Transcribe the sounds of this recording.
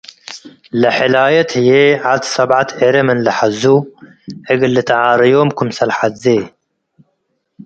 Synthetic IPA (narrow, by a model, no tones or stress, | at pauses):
lɐħɪlaːjɐt̪hɨjeʕad̪sɐbʕat̪ʰʕeɾɐmɨnlɨħazu | ʔɨɡɨllːɨt̪ʰʕaːɾɐjomkʰʊmsɐlħat̪ze